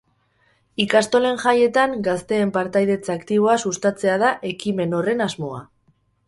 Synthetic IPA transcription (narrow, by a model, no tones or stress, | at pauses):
ikast̪o̞le̞ŋʝaje̞t̪aŋɡast̪e̞ːmpaɾt̪ajðe̞t͡sakt̪iβ̞o̞asust̪at͡se̞að̞aʔe̞kime̞no̞re̞nazmo̞a